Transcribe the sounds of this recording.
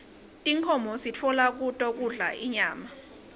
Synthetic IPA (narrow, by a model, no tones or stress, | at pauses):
tʼiŋkʰɔmɔsit͡fʰɔlak̬utʼɔk̬ʼuɮa̰ʔiɲaːma